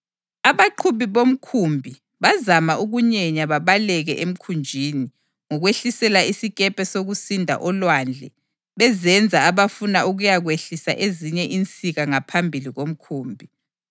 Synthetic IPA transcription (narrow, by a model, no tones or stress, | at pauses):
aβaǃʰuβiβom̩kʰumbʱi | βazamaʔuɣuɲɛɲaβaβalɛɣɛʔem̩kʰund͡ʒʱiːni | ŋɔɣweɬisɛlaisiɣɛpʰʼɛsoɣusindʱa̰ʔɔlwand͡ɮʱɛ | βɛzɛnd͡zʱaːβafunaʔuɣujaɣweɬisa̰ʔeziɲɛʔint͡sʼiɣaŋapʰambʱiliɣom̩kʰuːmbʱi